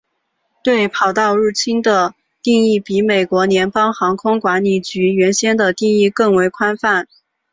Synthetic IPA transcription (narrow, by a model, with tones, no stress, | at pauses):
t̪we˥˩ɪpʰɑ˨˩ʊt̪ɑ˥˧ʊɻu˥˩t͡ɕʰi˥nd̪ə˨ | t̪i˥˧ŋi˥˩pi˧˥me˨˩ɪkwɔ˧˥njɛ˧˥npɑ˥ŋxɑ˧˥ŋkʰʊ˥ŋkwa˧˥nli˨˩t͡ɕy˧˥ɥɛ˧˥nɕjɛ˥nd̪ə˨t̪i˥˧ŋi˥˧kɤ˥˩ŋwe˧˥ɪkʰwa˥nfa˥˩n